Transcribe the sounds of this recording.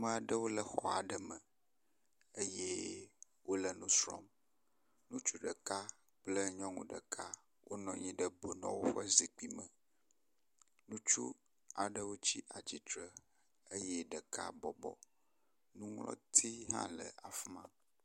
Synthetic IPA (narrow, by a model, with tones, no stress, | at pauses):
mə̃˦a˨ɖə˦wo˦lə˨xɔ˨a˨ɖə˨mə˨ | e˦jɛ˦ | wo˦lə˦˨nũ˦sɾɔ̰˦m | nũ˦t͡ʃu˦ɖə˨ka˦ | k͡plə˦ɲɔ̃˦ŋṵ̃˨ɖə̰˨kʰa˦ | wʔo˦nɔ̃˨ɲĩ˦ɖə˦bo˨nɔ̃˦wo˦ɸə˦zi˨k͡pi˦mə̃˨ | nũ˦t͡ʃṵ˦ | a˨ɖə˦wo˦t͡ɕi˦ʔa˨d͡ʑi˨t̪ɾə˦ | ə˦jɛ˦ɖə˨kʰa̰˦bɔ˨bɔ̰˨ | nũ˦ŋlɔ̰̃˦t̪ʰi˦ɦã̰˦lə˨a˨fmã˦